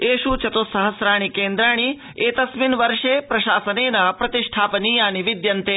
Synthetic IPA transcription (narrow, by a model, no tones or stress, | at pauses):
eːʃut͡ʃɐt̪oːsɐɦɐsɾaːɳ̃ikeːnd̪ɾaːɳ̃i | eːt̪ɐsminʋɐɾʂeːpɾɐʃaːsɐneːnɐpɾɐt̪iʂʈʰaːpɐniːjaːniʋid̪jɐnt̪eː